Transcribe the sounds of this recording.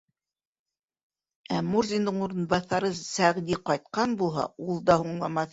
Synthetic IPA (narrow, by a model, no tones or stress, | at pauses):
æmurzʲind̪ɤɴuɾɤ̆nbɑθɑɾɤsæʁd̪iqɑjt̪̚qɑnbulˠɦɑ̰ulˠd̪ɑhuɴlˠɑmɑθ